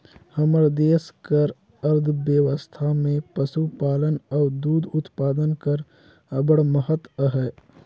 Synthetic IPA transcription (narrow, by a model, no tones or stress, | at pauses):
hɐməɾd̪eːskəɾ | əɾd̪ʱbjəwəst̪ʰamẽpəsupaːlənɔːd̪uːd̪ʊt̪paːd̪ənkəɾ | əbəɽməɦət̪əɦɛː